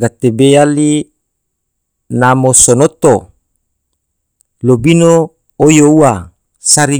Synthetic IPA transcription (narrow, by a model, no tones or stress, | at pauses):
ɡat̪ebeali | namosonot̪o | lobino | ojoua | saɾi